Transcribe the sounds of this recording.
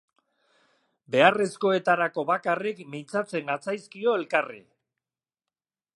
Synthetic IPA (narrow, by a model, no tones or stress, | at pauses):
be̞are̞sko̞e̞t̪aɾako̞βakarikmint͡sat͡se̞ŋɡat͡sajskio̞e̞lkarḭ